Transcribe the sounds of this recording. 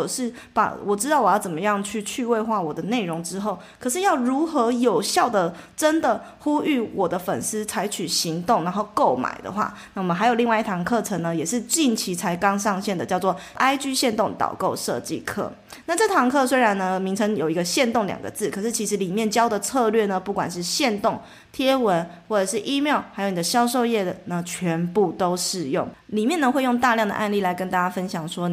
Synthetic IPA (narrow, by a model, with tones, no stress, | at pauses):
ʂɻ̩˥˩pa̰˨˩wɔ˨˩ʈ͡ʂɻ̩˥t̪ɑ˥˩ʊwɔ˨˩jɑ˥˩t͡sə˨˩nmə˦jɑ˥˧ŋt͡ɕʰy˥˧t͡ɕʰy˥˧we˥˧ɪxwa˥˩wɔ˨˩d̪ə˦ne˥˩ɪɻʊ˧˥ŋʈ͡ʂɻ̩˦xo˥˩ʊkʰɤ˨˩ʂɻ̩˥˧jɑ˥˩ʊɻu˧˥xɤ˧˥jo˨˩ʊɕjɑ˥˩ʊd̪ə˩ʈ͡ʂə˦˥nd̪ə˨˩ | xu˥y˥˩wɔ˨˩d̪ə˦fə̰˨˩ns̩˥t͡sʰa˧˥ɪt͡ɕʰy˨˩ɕi˧˥ŋt̪ʊ˥˩ŋna˧˥nxo˥˧ʊko˥˩ʊma̰˨˩ɪd̪ə̰˩xwa̰˥˧na˥˩wmə˨nxa˧˥ɪo˨˩li˥˧wi˥˩t̪ʰɑ˧˥ŋkʰɤ˥˩ʈ͡ʂʰə˧ŋnə˧jɛ˨˩ʂɻ̩˥˧t͡ɕi˥˩nt͡ɕʰi˧˥t͡sʰa˧˥ɪkɑ˥ŋʂɑ˥˧ŋɕjɛ˥˩nd̪ə˩t͡ɕjɑ˥˧ʊt͡swɔ˥˩ʔa˥ɪt͡ɕy˥ɕjɛ˥˧nt̪ʊ˥˩ŋt̪ɑ̰˨˩ʊko˥˧ʊʂɤ̰˥˧t͡ɕḭ˥˨kʰɤ̰˥˩ | na˥˧ʈ͡ʂɤ˥˩t̪ʰɑ˧˥ŋkʰɤ˥˧swe˥ɪɻa˧˦nnə˧mi˧˥ŋt͡sʰɤ˧˥ŋjo˨˩ʊi˧˥ɡə˧ɕjɛ˥˧nt̪ʊ˥˩ŋljɑ̰˨˩ŋɡə̰˦t͡sɹ̩˥˩kʰɤ˨˩ʂɻ̩˥˩t͡ɕʰi˧˥ʂ̬̩˧˥li˨˩mjɛ˥˩nt͡ɕjɑ˥ʊd̪ə˨t͡sʰɤ˥˧lɥɛ˥˩nə˩pu˥˩kwa̰˨˩nʂɻ̩˥˧ɕjɛ˥˧nt̪ʊ˥˩ŋ | t̪ʰjɛ˥wə˧˦nwɔ˥˩ʈ͡ʂɤ˨˩ʂ̬ɻ̩˥˩ʔi˥mjɑ˥˩ʊxa˧˥ɪjo˨˧ʊn˨˩d̪ə˦˩ɕjɑ˥ʊʂ̬o˥˧ʊjɛ˥˩d̪ə˩nə˦t͡ɕʰɥɛ˧˥npu˥˩t̪o˥ʊʂɻ̩˥˧jʊ˥˩ŋli˨˩mjɛ˥˩nə˧xwe˥˧ɪjʊ˥˧ŋt̪a˥˧ljɑ˥˩ŋd̪ə̰˨ʔa˥˧nli˥˩la˨˦ɪkə˧˥nt̪a˥˧t͡ɕja˥fə˦nɕjɑ˨˩ŋʂwɔ˥